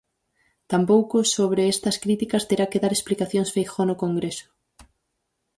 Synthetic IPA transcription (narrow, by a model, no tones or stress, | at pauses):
t̪ampowkʊsoβ̞ɾeest̪ɐskɾit̪ikɐst̪eɾakeðaɾesplikaθjoŋsfejxonʊkoŋɡɾesʊ̥